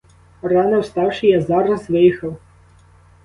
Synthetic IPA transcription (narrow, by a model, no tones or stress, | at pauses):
rɑnɔwst̪ɑwʂɪjazɑɾɐzʋɪjixɐw